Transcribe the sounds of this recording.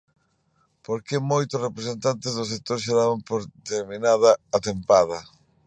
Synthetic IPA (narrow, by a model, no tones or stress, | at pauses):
poɾkɪmojt̪ʊsrepɾesent̪ant̪ezðʊs̬ek̚t̪oɾʃeðaβɐmpoɾt̪eɾminað̞ɐat̪empað̞ɐ